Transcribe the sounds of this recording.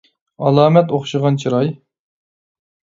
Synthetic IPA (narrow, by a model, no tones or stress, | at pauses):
ɑlˠɑːmɛt̪oχʃɨʁɑnt͡ʃʰiɾɑj